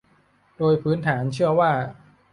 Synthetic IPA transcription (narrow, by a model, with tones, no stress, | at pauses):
doː˧jpʰɯː˦˥nt̪ʰaː˩˦nt͡ɕʰɯ˥˩ɐwaː˥˩